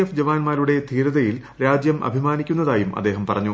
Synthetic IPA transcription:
efd͡ʑɐʋaːnmaːɾuɽe̞t̪ʰiːɾɐðɐjil | ɾaːd͡ʑjɐmʔɐ̰bʱimaːnikʲːunːɐðaːjumɐ̰d̪ːe̞ːɦɐmpɐrɐɲːu

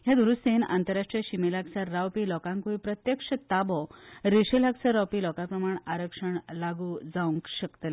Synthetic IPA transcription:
ɦjad̪uɾust̪eːna̰nt̪əɾːaʂʈɾijəɕimelaksaːawpiːlɔkãŋkuipɾət̪jəkʂət̪abɔɾiʂelaksaɾawpilɔkapɾəmaɳaɾəkʂəɳlaɡuːd͡zaũŋkɕəkt̪l

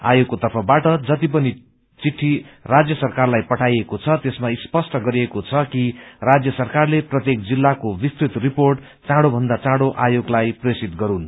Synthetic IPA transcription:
a̰joɡ̚kːot̪ʌrpʰʌbaʈʌd͡zʌt̪ip̬ʌni | t͡siʈʰːirad͡zjʌsʌrkarlajpʌʈʰajekot͡sʰʌt̪esmaispʌsʈʌɡʌɾiekot͡sʰʌkirad͡zjʌsʌrkarleprʌt̪jek̚d͡zilːakobist̪rit̪riporʈ | t͡sãɽobʱʌnd̪at͡sãɽoʔajoɡlajpresit̪ɡʌɾun

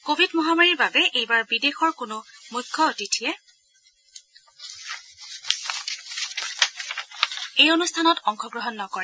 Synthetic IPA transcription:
kobʱidmɔɦamaɹiɹbabɛʔejbaɹbidexɔɹkʊnʊmukʰːɔotitʰijɛ | ejonustʰanɔtɔŋxɔɡɹɔɦɔnːɔkɔɹɛ

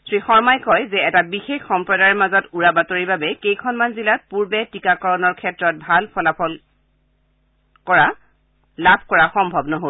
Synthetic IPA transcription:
sʰɹixɔɹmajkɔjzɛɛtabixexxɔmpɹɔdajɹɛmazɔtuɹabatoɹibabɛkejkʰɔnmanzilat̚puɹbɛtikakɔɹɔnɔɹkʰɛtɹɔt̚bʱalpʰɔlapʰɔl | kɔɹa | labʱkɔɹaxɔmbʱɔbnɔɦol

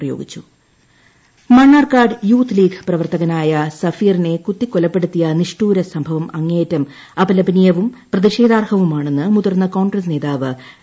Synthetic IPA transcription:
rɐjo̞̰ːɡit͡ɕːu̥ | mɐɳːaːrkaːrɖɨjuːt̪ʰliːɡprɐʋɐrt̪ɐɣɐnaːjɐsɐfiːrine̞kut̪ːikːolɐpːe̞ɽut̪ːijɐniʂʈuːɾɐsɐmbʱɐʋɐmɐŋːe̞ːtːɐm | ɐpɐlɐbɐnijɐʋumprɐðiʂe̞ːd̪aːrhɐʋumaːɳe̞nːɨmuðɐrnːɐko̞ːɳɡrɐs̬ne̞ːðaːʋɨ

